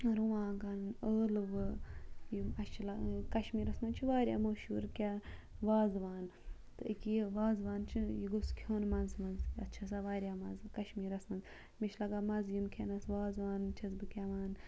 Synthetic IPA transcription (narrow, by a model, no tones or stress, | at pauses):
ɾuʋãːɡɐnnəːlʋɨjimɐt͡ʃʰilɐkɐʃmiːɾɐsmɐnt͡ʃʰiʋaːɾʲja̰ːmoːʃṵːɾkʲaː | ʋaːzʋaːn | t̪ɨikːiʋaːzʋaːnt͡ʃʰijiɡoskʲʰjoːnmɐnzmɐnzɐtːt͡ʃʰɐsaːʋaːɾʲjaːmɐnzkɐʃmiːɾɐsmɐnz | miʃʰlɐɡaːmɐzjimkʲʰenɐsʋaːzʋaːnt͡ʃʰɐzbɨkʲaʋaːn